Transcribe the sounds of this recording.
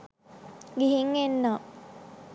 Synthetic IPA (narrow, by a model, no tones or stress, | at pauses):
ɡiɦiŋːenːaː